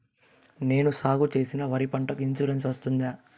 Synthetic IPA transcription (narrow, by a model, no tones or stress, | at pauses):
ne̞ːnusaːɡut͡ʃe̞ːsinɐʋɐɾipɐɳʈɐkint͡ʃuɾens̬ʋɐst̪und̪aː